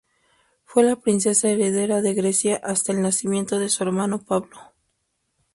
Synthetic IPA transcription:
fwe̞lapɾinse̞sae̞ɾe̞ðe̞ɾaðe̞ɣɾe̞sjaʔast̪aelnasimjẽ̞nt̪o̞ðe̞sue̞ɾmano̞paβlo

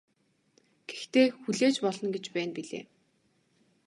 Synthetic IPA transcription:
ɡ̥e̥xt̪eːxuɮeːt͡ɕpɔɮɞ̆nɡet͡ɕpæːnpiɮḛː

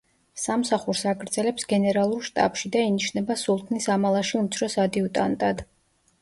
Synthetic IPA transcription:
samsaχuɾsaɡɾd̪zɛlɛpsɡɛnɛɾalˠuɾʃt̪ʼa̰pʃid̪ainiʃnɛbasulˠt̪ʼʰnisamalˠaʃiumt̪sʰɾɔsad̪iut̪ʼant̪ʼad̪̥

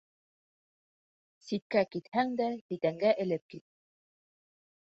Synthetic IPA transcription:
sit̪̚kækit̪hæŋd̪æbit̪æŋɡæʔɘ̆lɘp̚kit̪̚

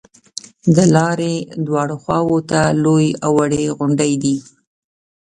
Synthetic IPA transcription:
d̪əlɑɾed̪wɑɽoxwɑwot̪alojawaɽeɣʊɳɖəjd̪i

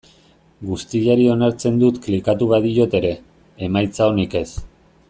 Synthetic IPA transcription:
ɡust̪iʎaɾio̞naɾt͡se̞nd̪ut̪klikat̪uβaðio̞t̪e̞ɾe̞ː | majt͡sao̞nike̞s

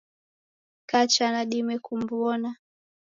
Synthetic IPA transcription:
kat͡ʃanaɗimɛkumbwɔna

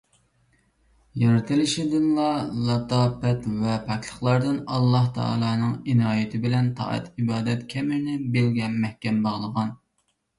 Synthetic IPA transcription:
jɑɾɨt̪ʰɨlˠɪʃɪd̪ɪnlˠɑlˠɑt̪ɑːpɛt̪vɛpʰɛkʰʲlʰˠəχlˠɑɾd̪ɨnɑlˠːɑht̪ʰɑ̰ɑ̰lˠɑːnɨŋinɑːjɪt̪ʰɪbɪlɛnt̪ʰɑ̰ːɛ̰t̪ʰibɑːd̪ɛt̪kʲʰɛmɪɾnɪbelɡʲɛnmɛhkʲɛmbɑʁlˠəʁɑn

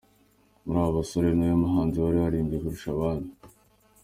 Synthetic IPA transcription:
muɾaːβasoɾenojamuɦaːnziwaɾihaɾiːmbiekuɾuʃaβaːni

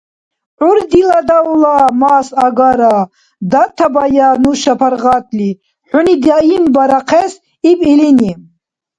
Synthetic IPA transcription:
ʕuɾd̪ilad̪aulamaːsaɡaɾa | d̪at̪ʰabajanuʃapʰaɾʁat̪ʰli | ħʷunid̪aimbaɾaqʰɛs | ipʼilini

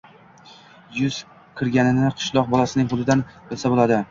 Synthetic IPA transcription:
jʊz̥ | kʲʰɪɾɡʲanɪnɪqʰɨ̥ʃlˠɒq̚bɒlasɪnɪŋɦʊd̪ɪd̪anbɪlˠsabolˠad̪ɪ

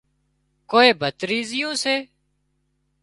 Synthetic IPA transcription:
koːeːbʱət̪ɾiːzɪjõːseː

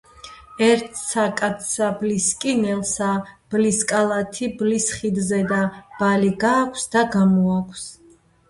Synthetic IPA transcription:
ɛɾt̪ʰsakʼat̪sʰabliskʼinɛlˠsab̥liskʼalˠat̪ʰiblisχid̪zɛd̪ab̥aliɡaːkʷʰsd̪aɡamɔakʷʰs

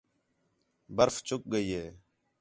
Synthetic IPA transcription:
bəɾft͡ʃʊk̚ɡəiːɦeː

